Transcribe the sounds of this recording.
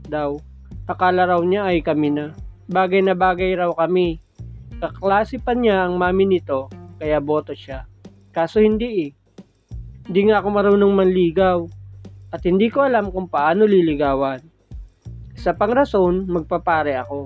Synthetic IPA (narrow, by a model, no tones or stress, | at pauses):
d̪aw | ʔɐkaːlɐɾɐwɲaʔɐjkɐmɪnɐbaːɡɐjnɐbaːɡɐjɾɐwkɐmi | kɐklaːsɪpɐɲaʔɐŋmaːmɪnɪt̪o̞kɐjabo̞ːt̪oʃa | kaːso̞hɪnd̪iʔɪ | hɪnd̪iːŋaʔɐko̞mɐɾuːnoŋmɐnliːɡɐwʔɐt̪̚hɪnd̪iːko̞ʔɐlamkʊŋpɐʔaːno̞lɪlɪɡaːwɐn | ʔɪsapɐŋɾɐso̞nmɐɡ̚papaːɾɛʔɐko̞